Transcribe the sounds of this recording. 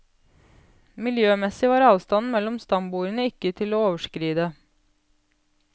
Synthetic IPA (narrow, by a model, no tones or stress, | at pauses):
mɪljøːmɛsɪʋɑːɾɑːʋst̪ɑnmɛlɔmst̪ɑmbuːɾənəɪkət̪ʰɪloːoːʋəʃkɾiːd̪ə